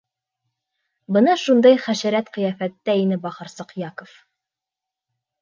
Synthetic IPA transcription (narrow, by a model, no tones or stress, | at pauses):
bɤnɑʃund̪ɑjχæʃæɾæt̪qɤ̆jæfæt̪ːæinɘbɑχɤ̆ɾsɤqjɑkŏf